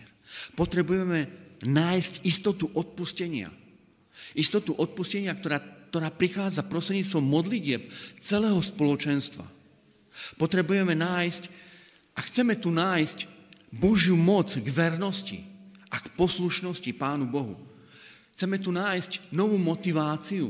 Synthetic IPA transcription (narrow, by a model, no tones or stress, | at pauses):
pɔt̪ɾɛbujɛmɛnaːjscist̪ɔt̪uʔɔt̪̚puscɛɲɪa̰ | ist̪ɔt̪uʔɔt̪̚puscɛɲɪak̚t̪ɔɾaːt̪ɔɾaːpɾixaːd͡zapɾɔst̪ɾɛdɲit͡st̪ʋɔmːɔd̪liɟɪɛp̚t͡sɛlɛːɦɔspɔlɔt͡ʃɛnst̪ʋa̰ | pɔt̪ɾɛbujɛmɛnaːjsc | ʔaxt͡sɛmɛt̪unaːjscbɔʒjumɔd͡zɡʋɛɾnɔscḭʔakpɔsluʃnɔscipaːnubɔɦṵ | xt͡sɛmɛt̪̬unaːjscnɔʋuːmɔt̪iʋaːt͡siṵ